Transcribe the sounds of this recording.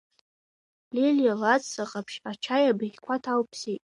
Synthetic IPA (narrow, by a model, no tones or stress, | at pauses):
liljalat͡sʼsaqʼapʰʃat͡ʃʰajabɨjʲkʷʰatʰawpʰsitʼ